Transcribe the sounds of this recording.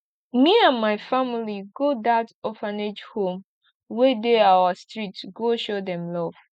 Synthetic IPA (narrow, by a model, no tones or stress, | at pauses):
miãnmaɪfamiliɡodatɔfaned͡ʒhõm | wedeawastɹitsɡoʃodɛ̃mlɔv̥